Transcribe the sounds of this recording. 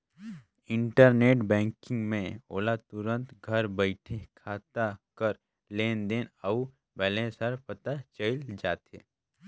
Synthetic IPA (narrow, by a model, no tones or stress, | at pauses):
ɪ̃ɳʈəɾneːʈbɛ̃ːŋkɪ̃ŋɡmẽo̰ːlat̪ʊɾə̃nt̪ɡʱɐɾbəɪʈʰekʰaːt̪akəɾ | leːnd̪eːnəu | bɛːlẽsəɾpət̪at͡ʃəɪld͡ʒaːt̪ḛː